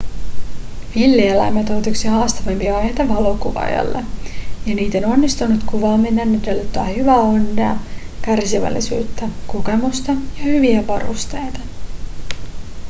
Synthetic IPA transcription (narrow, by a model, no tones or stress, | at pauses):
ʋilːielæ̰jmet̪owt̪uksihɑːst̪ɑʋempiɑɑjhejt̪ɑʋɑlokuʋɑ̰jɑ̰lːḛjɑniːt̪o̞no̞nːist̪unut̪kuʋɑːmːenːænːet̪ølːt̪ːoɑ̰hyʋæonːeɑ | kærsiʋæ̰lːisy̰ːt̪ːækuke̞must̪ɑjɑhyʋiæpɑɾṵst̪e̞jt̪ɑ̥